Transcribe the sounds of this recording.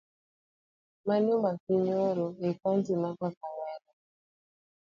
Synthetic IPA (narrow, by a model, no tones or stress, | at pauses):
maɲombakiɲɔɾɔekantimakakawala